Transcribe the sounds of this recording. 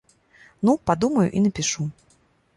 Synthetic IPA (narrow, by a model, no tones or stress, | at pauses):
nupad̪umɐjʊ̰ʔinɐpʲiʂu